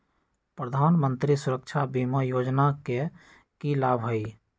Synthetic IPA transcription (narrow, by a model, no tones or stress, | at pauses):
pɾəd̪ʱaːnmənt̪ɾisʊɾək̚t͡ʃʰabiməjoːd͡ʒnake | kilaːbʱɦoi